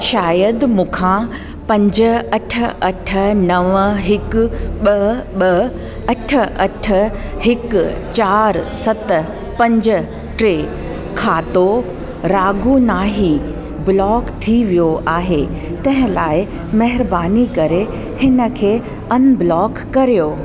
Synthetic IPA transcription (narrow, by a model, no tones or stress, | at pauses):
ʃaːjəd̪mʊkʰã | pɐ̃ɲd͡ʑə̆ɐʈʰə̆ɐʈʰə̆nɐʋɦɪkʊɓɐɓɐ | ɐʈʰə̆ʔɐʈʰə̆ | hɪkt͡ɕaːɾsɐt̪ə | pɐ̃ɲd͡ʑə̆ | ʈɾeː | kʰaːt̪o | ɾaːɡʱunaːɦi | blɔːkt̪ʰiʋijoʔaːɦe | t̪ɐ̃ɦɪ̃laːɪ | mɐɦɪɾbaːnikɐɾe | hɪnə̆kʰeː | ɐnblɔːkːɐɾijoː